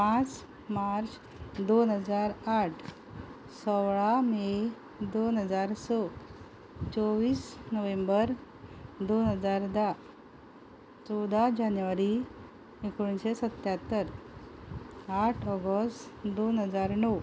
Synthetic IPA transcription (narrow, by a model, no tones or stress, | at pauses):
pãt͡s | maɾt͡s | d̪onɦəd͡zaɾaʈʰ | sɔʋɭame | d̪onɦəd͡zaɾsɔ | t͡sɔʋiːsnəʋẽmbəɾ | d̪onɦəd͡zaɾd̪a | t͡sɔd̪ad͡ʑanjuʋaɾi | ekoɳɕesət̪jat̪ːəɾ | aʈʰɔɡəsʈd̪onɦəd͡zaɾnɔ